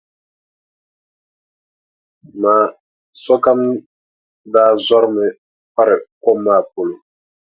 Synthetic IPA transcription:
ma˨ | sɔ˦ka˦m˦ | daː˦zɔ˦ɾmɛ˨ | pa˦ɾɪ˨kɔ˦mːa˨po˨lo˨

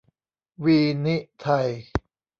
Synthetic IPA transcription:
wiː˧ni˦˥ʔt̪ʰa˧j

